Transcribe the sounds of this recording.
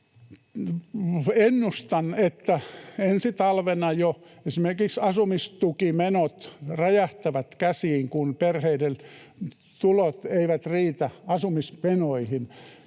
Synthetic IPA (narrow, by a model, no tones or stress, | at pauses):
enːust̪ɑnet̪ːæensit̪ɑlʋenɑjo | esimerkiksɑsumist̪ukimenot̪rɑjæht̪æʋæt̪kæsiːŋkunperheidel | t̪ulot̪eiʋæt̪riːt̪æɑsumismenoihin